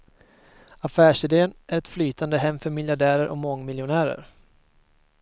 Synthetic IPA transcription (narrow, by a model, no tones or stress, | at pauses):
afæːʂɪd̪eːənʔæɾɛt̪flyːt̪ʰand̪əɦɛmːfœɾmɪljaɖæːɾəɾʔɔ̰kmɔŋːmɪljʊnæːɾə̰ɾ